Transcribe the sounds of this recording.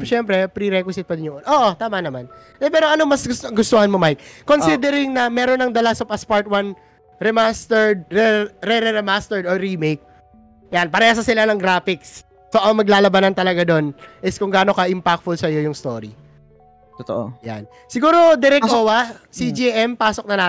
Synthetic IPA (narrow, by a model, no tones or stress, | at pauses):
ʃɛmpɾɛpɾiɾɛkwɪsɪt̪̚pɐd̪ɪnɲːjʊŋʔonʔoːʔot̪aːmɐnɐmanʔɛpɛːɾoʔɐnomɐsʊɡʊst̪ohɐnmomajk̚ːo̞nsid̪ɛɾɪŋnɐmɛːɾonːɐŋd̪ɐlɐsopɐspaɹt̪̚wan | ɾɛmast̪ɛɹd̪̚ɾɛɾɛɾɛɾɛmast̪ɛɹd̪oɾimejk̚ | janpɐɾɛasɐsɪlanɐŋɡɾaːfɪksː | o̞ʔɐŋmɐɡlaːlɐbanɐnt̪ɐlɐɡad̪o̞nʔɪskʊŋɡaːno̞kɐʔɪmpak̚t̪fʊlsɐjo̞jʊŋst̪o̰ɾi | t̪ot̪oʔo̰ja̰n | sɪɡuːɾo̞d̪ɛɾɛkowɐsid͡ʒiʔɛmpaːsok̚nɐna